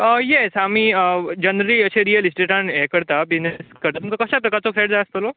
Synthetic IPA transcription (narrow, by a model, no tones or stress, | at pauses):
əjesamiəd͡ʑənɾəɾiəɕeɾijəlisʈeʈanɛkəɾt̪abid͡ʑneskəɾt̪at̪mkakəɕapɾəkaɾt͡sɔkʰɾeʈd͡zaəst̪olo